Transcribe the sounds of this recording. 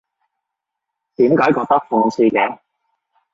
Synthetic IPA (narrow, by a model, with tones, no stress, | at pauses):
t̪iː˨˥mkaː˨˥jkɔː˧k̚t̪ɐ˥k̚fʊː˧ŋsiː˧kɛː˨˧˦